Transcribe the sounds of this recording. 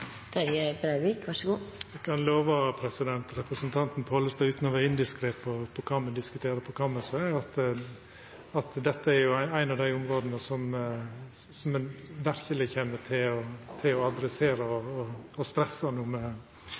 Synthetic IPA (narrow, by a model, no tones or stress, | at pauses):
t̪ɑɾjəbɾæɪʋikʋɑʂəɡuːɛkʰɑnloːʋɑpʰɾɛsɪd̪ɛnt̪ɾɛpɾəsənt̪ʰɑnt̪n̩pʰɔhɔlːəsd̪æɪʉːt̪nɔʋɛɪnd̪ɪskɾepʰɔpʰɔkʰɑːmɛnd̪ɪskʉt̪ʰeːɾəpʰɔkʰɑːməsəɑt̪ | ɑt̪d̪ɛt̪ːəæɾjʊæɪæɪnɑʋd̪æɪʊmɾoːd̪nəsɔm | sɔmɛnʋæɾkəlɪçeːməʈ̪ʰɪlɔt̪ʰɪlɔɑd̪ɾɛseːɾəɔːɔst̪ɾɛsɑnuːmɛ